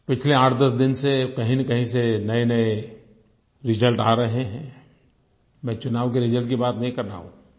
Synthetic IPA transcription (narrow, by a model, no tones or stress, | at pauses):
pɪt͡ʃʰleaːʈʰd̪ɐsd̪ɪnsekɐɦĩnekɐɦĩsenɐenɐe | ɾɪd͡ʒəlʈaːɾɐɦeɦɛ̃ː | mɛ̃ːt͡ʃʊnaːʋkeɾɪd͡ʒəlʈkibaːt̪nɐɦĩkɐɾna̰ːɦṵ̃ː